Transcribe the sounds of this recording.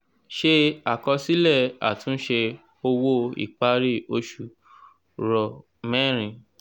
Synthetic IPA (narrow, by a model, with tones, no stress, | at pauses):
ʃe˧a˦˨kɔ˧si˦lɛ˦˨a̰˨tũ˦ʃe˧ | o˧wo˦ḭ˨k͡pa˦ɾi˦˨o˧ʃu˨ | ɾɔ˧˨ | mɛ̃˦ɾ̃ĩ˨˧˨